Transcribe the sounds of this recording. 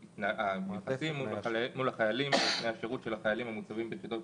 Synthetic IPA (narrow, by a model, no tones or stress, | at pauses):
naaneχasimːuːulaχajalimmeaʃeʁutʃe̞laχajalimhamut͡savimbeχito̞t